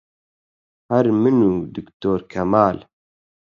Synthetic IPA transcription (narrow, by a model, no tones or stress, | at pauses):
hɐɾmɨnuːd̪ɨkt̪oːɾkʰɐmaːl